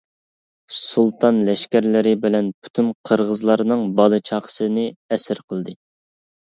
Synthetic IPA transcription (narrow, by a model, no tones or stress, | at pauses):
sulˠt̪ʰɑnlɛʃkʲæɾlɪɾɪbɪlɛnpʰu̥t̪ʰynqʰəɾʁəzlˠɑɾnɨŋbɑlˠɨt͡ʃʰɑχə̥sɨnɨɛsɪɾqʰəlˠd̪ɨ